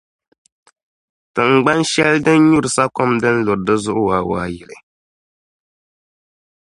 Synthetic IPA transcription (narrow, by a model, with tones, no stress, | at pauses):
tɨ˨ŋ̩˨ɡ͡ba˦nʃɛ˦ldɨ˦n˦ɲu˦ɾsa˦kɔ˦mdɨ˦n̩˦lo˨ɾdɨ˦zʊ˦ʔʊ˦waː˨wa̰ː˨jɪ˨lɨ˨